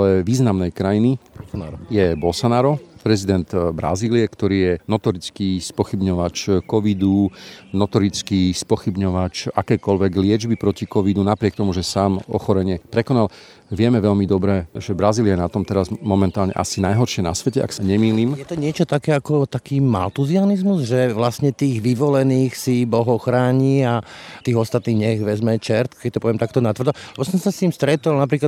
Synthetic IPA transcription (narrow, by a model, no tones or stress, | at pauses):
alɛʋiːznamnɛjkɾajini | jɛbɔlsanaːɾɔpɾɛzid̪ɛnd̪bɾa̰ziːliɛkt̪ɔɾiːjɛnɔt̪ɔɾit͡skispɔxibɲɔʋat͡ʃkɔʋid̪unɔt̪ɔɾit͡skispɔxibɲɔʋat͡ʃakɛːkɔlʋɛɡlɪɛd͡ʒbipɾɔcikɔʋid̪unapɾɪɛkt̪ɔmuʒɛsaːmɔ̰xɔɾɛɲɪɛpɾɛkɔnal | ʋɪɛmɛʋɛʎmid̪ɔbɾɛʒɛbɾaziːliajɛnat̪ɔmt̪ɛɾazmɔmɛnt̪aːlɲɛ̰ʔa̰sinajɦɔɾʃɪɛna̰sʋɛcɛʔa̰ksaɲɛmiliːmjɛt̪ɔɲɪɛt͡ʃɔt̪akɛːakɔt̪akiːma̰lt̪uzianizmuzʒɛʋlastɲɛt̪iːɣʋiʋɔlɛniːxsibɔɦɔxɾaːɲiat̪iːɣɔst̪at̪niːɣɲɛɣʋɛzmɛt͡ʃɛɾt̪kɛc̚t̪ɔpɔʋɛmt̪ak̚t̪ɔnat̪ʋr̩d̪ɔlɛbɔsɔmsast̪iːmst̪ɾɛt̪ɔlnap̬ɾiːklad̪